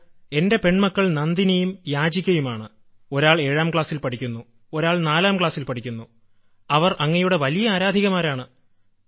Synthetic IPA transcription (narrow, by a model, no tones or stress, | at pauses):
e̞nde̞pe̞ɳmɐkːɐɭnɐnd̪inejumjaːd͡ʑikʲːɐjumaːɳɨ | o̞ɾaːɭe̞ːɻaːmkɭaːsilpɐʈʰikʲːunːu | o̞ɾaːɭnaːlaːmkɭaːsilpɐʈʰikʲːunːu | ɐʋɐrʔɐŋːɐjuɽe̞ʋɐlijɐaːɾaːd̪ʱiɣɐmaːɾaːɳɨ